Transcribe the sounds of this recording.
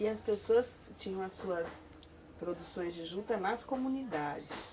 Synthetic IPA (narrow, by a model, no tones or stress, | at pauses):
ɪɐspesoɐst͡ʃĩɲɐ̃w̃ɐsːuɐs | pɾod̪usõj̃zd͡ʒɪʒut̪ɐnɐskomũnid̪ad͡ʒɪs